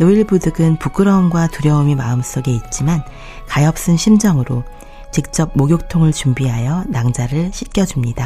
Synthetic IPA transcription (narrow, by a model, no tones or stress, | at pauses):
noiɭbudɯɡɯnpuk͈ɯɾʌumɡwatuɾjʌumimaɯms͈oɡe̞it̚t͡ɕ͈iman | kajʌp̚s͈ɯnɕʰimd͡ʑʌŋɯɾo | t͡ɕik̚t͡ɕ͈ʌb̚moɡjok̚tʰoŋɯɭt͡ɕumbiɦajʌnaŋd͡ʑaɾɯɭɕʰit̚k͈jʌd͡ʑumɲida